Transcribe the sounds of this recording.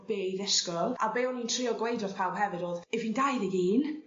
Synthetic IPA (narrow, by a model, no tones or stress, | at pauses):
b̥eðɪskɔlˠabeɔnintʰrɪɔɡwejdɔð̥pʰawɦɛvɪdoːðɛvindajðɪɡiːn